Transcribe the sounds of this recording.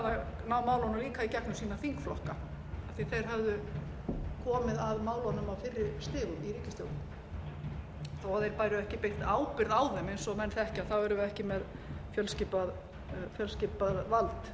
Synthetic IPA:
aðanaːwmaːwlɔnʏliːkaicɛhknʏsiːnafiŋkflɔhka | ḁθiθejɾ̥ɦœvðʏ | kʰɔːmɪðaðmaːwlɔnʏmawfɪrːɪɾst̪ɪːɣʏiɾiːcɪst̪jo̰wnm | θɔaðɛɾpajɾɪɛhcɪpejht̪aːwpɪɾðaːwðɛmejnsɔmɛnθɛhcɪaθawɛɾʏvɪɛhcɪmɛð | fjœlscɪːpað | fjœlsciːpaðvalt̪

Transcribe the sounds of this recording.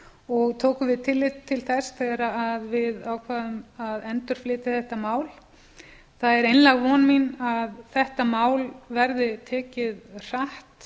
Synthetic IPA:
ɔɣt̪ʰoːwkʏvɪðt̪ʰɪlːɪt̪ʰːɪlθɛsθɛɣɾaːðvɪðaːwkʰvaːðʏmaðɛnt̪ʏɾ̥flɪːt̪ɪθɛht̪amaːwl | θaðɛɾejnlaɣvɔnminaðθɛht̪amaːwlvɛɾðɪt̪ʰɛːcɪðr̥aht̪

